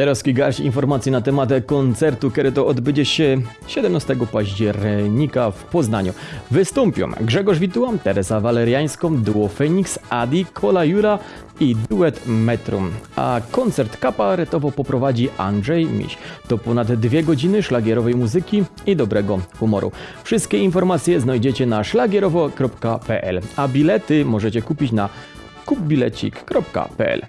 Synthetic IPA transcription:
t̪ɛɾɔskʲiɡaɾt͡ɕḭnfɔɾmat̪sʲjinat̪ɛmat̪kɔnt̪sɛɾt̪ukɛɾɛt̪ɔɔd̪bɘd͡ʑɛɕɛ | ɕɛd̪ɛmnast̪ɛɡɔpaʑd͡ʑɛɾɲikafpɔznaɲṵvɘst̪ɔmpʲɔ̰̃mɡʐɛɡɔʐvʲit̪uwamt̪ɛɾɛzavalɛɾjaj̃skɔ̃md̪uwɔfɛɲiksad̪ʲikʰɔlajuɾa | id̪uɛt̪mɛt̪ɾṵma̰kɔnt̪sɛɾt̪kapaɾɛt̪ɔvɔpɔpɾɔvad͡ʑiʔa̰ndʐɛjmʲḭɕt̪ɔpɔnad̪ːvʲjɛɡɔd͡ʑinɘʂlaɡʲjɛɾɔvɛjmuzɘkʲi | id̪ɔbɾɛɡɔxumɔ̰ɾṵ | fʂɨst̪̚kʲɛinfɔɾmat̪sʲjɛznajd͡ʑɛt͡ɕɛnaʂlaɡʲɛɾɔvɔkɾɔpkapɛʔɛ̰labʲilɛt̪ɘmɔʐɛt͡ɕɛkupʲit͡ɕna | kub̚bʲilɛ̰t͡ɕḭkːɾɔpka̰pɛ̰ʔɛ̰l

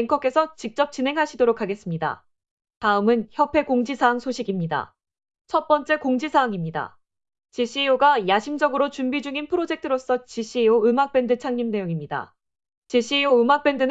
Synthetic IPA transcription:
eŋkʰʌk͈e̞sʰʌt͡ɕik̚t͡ɕ͈ʌp̚t͡ɕinɦe̞ŋɦaɕʰidoɾokʰːaɡe̞s͈ɯmɲida̰ | taɯmɯnçjʌpʰe̞koŋd͡ʑisʰaːŋsʰoɕʰiɡimɲida̰ | t͡ɕʰʌt̚p͈ʌnt͡ɕ͈e̞koŋd͡ʑisʰaːŋimɲida̰ | t͡ɕiɕ͈ʰioɡajaɕʰimd͡ʑʌɡɯɾot͡ɕumbid͡ʑuŋinpʰɯɾod͡ʑe̞k̚tʰɯɾos͈ʌt͡ɕiɕ͈ioɯmak̚p͈e̞ndɯt͡ɕʰaŋɲimne̞joŋimɲida̰ | t͡ɕiɕ͈ʰiioɯmak̚p͈e̞ndɯn

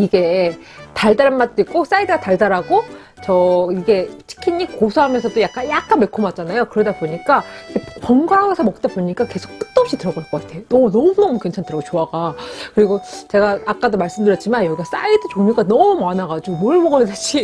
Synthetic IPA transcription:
iɡe̞ | taɭdaɾɯnmat̚t͈oik̚k͈os͈aidɯɡataɭdaɾaɡo | t͡ɕʌiɡe̞t͡ɕʰi̥kʰinikkosʰoɦamjʌnsʰʌdojak͈anjak̚k͈anme̞kʰomat͡ɕ͈anajokɯɾʌdaboɲik͈aiɡeppʌŋɡaɦaɡesʰʌmʌk̚t͈aboɲik͈ake̞sʰo̥k̚k͈ɯ̥t͈ʌp̚ɕ͈itɯɾʌɡaɭk͈ʌk͈atʰe̞joʌnʌmunʌmukwe̞nt͡ɕʰantɯɾʌɡot͡ɕoaɡakɯɾiɡot͡ɕe̞ɡaak͈adomaɭs͈ɯmdɯjʌtt͡ɕ͈imanjʌɡiɡas͈a̰idɯt͡ɕoɲik͈anʌmumanaɡad͡ʑiɡomwʌɭmʌɡʌdeɕʰi

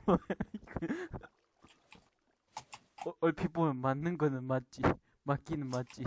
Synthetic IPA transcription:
ʔolpʰiponmanəŋɡənəmat͡ɕi | makinəmat͡ɕi

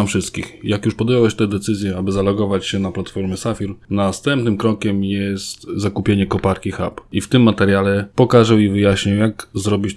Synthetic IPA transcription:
mfʂɘst̪̚kʲixjakjuʂpɔd̪jɔwɛɕt̪ɛd̪ɛt̪sɘzʲjɛabɘzalɔɡɔvat͡ɕɕɛnaplat̪fɔɾmʲɛsafʲiɾnast̪ɛmpnɘmkɾɔkʲɛmjɛst̪zakupʲjeɲɛkɔpaɾkʲixa̰pift̪ɘmːat̪ɛɾʲjalɛpɔkaʐɛwivɘjaɕɲawjaɡzɾɔbʲit͡ɕ

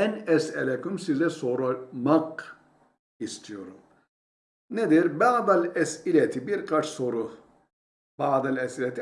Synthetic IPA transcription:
ɛnɛsɛlɛkymsizɛso̞ɾamak̚ | ist̪ʰijo̞ɾum | ned̪iɾbaːd̪alʲɛsilʲɛt̪ʰibiɾkʰat͡ʃso̞ɾu | baːd̪alʲɛsilʲɛt̪ʰi

